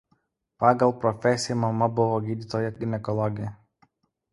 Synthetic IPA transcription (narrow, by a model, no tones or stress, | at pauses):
pɑːɡɐlˠpɾɔfʲɛsʲɪjɛmɐmɐbʊʋoːɡʲiːd̪ʲit̪oːjɛɡʲɪnʲɛkɔlˠɔɡʲɪjɛ